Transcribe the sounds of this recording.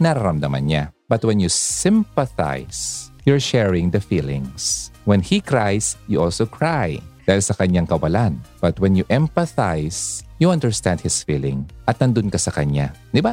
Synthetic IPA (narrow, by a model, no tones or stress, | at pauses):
nɐɾɐɾɐmd̪ɐmɐ̰nɲab̥ɐt̪wɛnjusɪ̃mpɐθa̰jsjɔɹʃɛɹɪ̃ŋd̪ɐfilɪ̰̃ŋswɛnhikɹajsjuʔɔlsokʰɹajd̪aːhɪlsɐkɐɲaŋkɐwɐlanb̥ɐt̪wɛnjʊʔɛmpɐθajsjuʔɐ̃nd̪ɛɹst̪and̪̚hɪsfiːlɪ̰̃ŋʔɐt̪̚nɐnd̪ʊnkɐsɐkɐɲa̰d̪ɪba